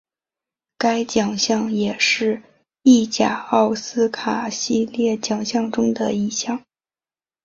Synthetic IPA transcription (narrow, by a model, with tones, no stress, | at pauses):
ka˥ɪt͡ɕjɑ˨˩ŋɕjɑ˥˩ŋjɛ˨˩ʂɻ̩˥˧ | i˥˩t͡ɕja˨˩ɑ˥˩ʊsɹ̩˥kʰa˨˩ɕi˥˧ljɛ˥˩t͡ɕjɑ˨˩ŋɕjɑ˥˧ŋʈ͡ʂʊ˥ŋd̪ə˨i˥˧ɕjɑ˥˩ŋ